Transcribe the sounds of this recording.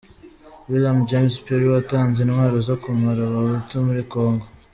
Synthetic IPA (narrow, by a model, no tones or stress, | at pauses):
wiljamd͡ʒemspeɾiwataːnzenwaːɾozokumaɾaβaβutumuɾikoːŋɡo